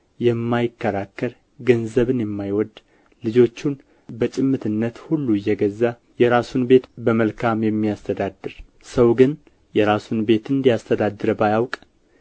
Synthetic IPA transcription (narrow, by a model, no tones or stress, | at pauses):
jɛmːajɪkːəɾakːəɾ | ɡənzəβɨnjɛmːajwɔd̪ | lɨd͡ʒo̞t͡ʃːun | bət͡ʃʼɪmːɨt̪ʰɨnːət̪hulːujːɛɡəzːa | jɛɾasunbe̞t̪bəməlkʰamjɛmːijast̪ʰəd̪ad̪ːɨɾ | səwɡɨn | jɛɾasunbe̞t̪ɨnd̪ijast̪ʰəd̪ad̪ɨɾəbajawkʼ